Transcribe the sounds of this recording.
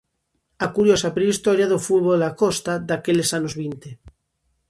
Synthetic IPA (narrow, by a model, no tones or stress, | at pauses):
akuɾjosapɾeist̪oɾjaðofuðβolakost̪ad̪akelesanozβint̪e